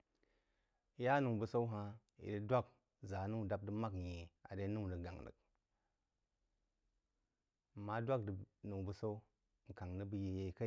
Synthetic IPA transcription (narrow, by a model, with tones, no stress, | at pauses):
ja˦nu˨ŋ˨bə˨sa˦u˦ɦa˧ | ḭ˨di˦dʷa˦˨k̚ | za˨˦nu˦˨da˦p̚dɨ˦ma˦kje˨a̰˨de˨˦nu˦ŋ˨də˨ɡa̰˨ŋnɨ̰˨k̚ | ma˦dʷa˦kdnu˨ŋ˨bu˨sa˦u˦ | ŋ̩˨ka˨ŋnɨ˦bə˨je˨je˨˦ka˦˨